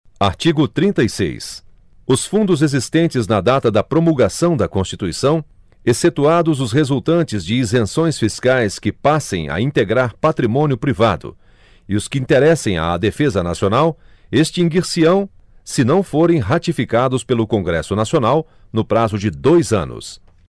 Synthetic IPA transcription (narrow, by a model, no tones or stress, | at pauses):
aɾt͡ʃiɡʊt̪ɾĩnt̪ɐjsḛjs | ʊsfũnd̪ʊzezist̪ẽnt͡ʃɪznɐd̪at̪ɐd̪ɐpɾomulɡasɐ̃w̃d̪ɐkõst͡ʃit̪uisɐ̃w̃ | eset̪uad̪ʊzʊshezuwt̪ɐ̃nt͡ʃɪzd͡ʒɪizẽsõj̃sfiskajskɪpasḛ̃j̃ɐ̰ĩnt̪eɡɾaɾpat̪ɾimõniʊpɾiva̰d̪ʊ̰ | ɪʊskɪĩnt̪eɾɛsẽj̃a̰ːd̪efezɐnasionaw | est͡ʃĩŋɡiɾsiɐ̃w̃sɪnɐ̃w̃foɾẽj̃ɦat͡ʃifikad̪ʊspelʊkõŋɡɾɛsʊnasionaw | nʊpɾazʊd͡ʒɪd̪ojzɐ̰̃nʊ̰s